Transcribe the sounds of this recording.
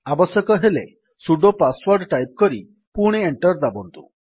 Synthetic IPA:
abɔsjɔkɔɦele | suɖopaswɔɾɖʈajp̚kɔɾi | puɽ̃eeɳʈɔɾd̪abɔnt̪ṵ

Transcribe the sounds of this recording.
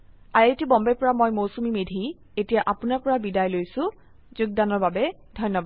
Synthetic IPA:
ajetibɔmbɛpɔɹamojmowsumimedʱi | etijaʔapʊnaɹpɔɹabidajlojsʊ̃ | zuɡ̚danɔɹbabɛ | dʱɔjnːɔbad

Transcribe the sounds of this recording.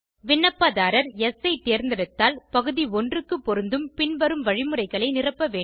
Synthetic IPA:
ʋɪɳːɐpːaːðaːɾɐɾɛsɐɪt̪eːɾnd̪ɪɾɯt̪ːaːlpɐɣɯðiɔndrɯkːɯpːɔɾɯnd̪ɯmpɪɳʋɐɾɯmʋɐɻɪmɯrɐɪɣɐɭɐɪnɪrɐpːɐʋeː

